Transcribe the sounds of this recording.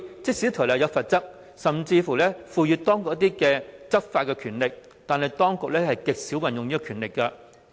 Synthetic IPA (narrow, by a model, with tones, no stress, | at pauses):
t͡sɪ˥k̚si˨˥t̪ʰɔ˨˩wlɐ˨˩jɐ˨˧fɐ˨t̚t͡sɐ˥k̚ | sɐ˨mt͡siː˧fuː˨˩lɛː˥fuː˨jyː˨˧t̪ɔː˥ŋkʊ˨k̚jt̪iː˥kɛː˧t͡sɐ˥t̚faː˧t̚kːɛ˧kʰyː˨˩nlɪ˨k̚ | t̪aː˨nɦɐ˨jt̪ɔː˥ŋkʊ˨k̚lɛː˥hɐ˨jkɪ˨k̚si˨˥wɐ˨˩njʊ˨ŋjiː˥kkʰyː˨˩nlɪ˨kːɐ˧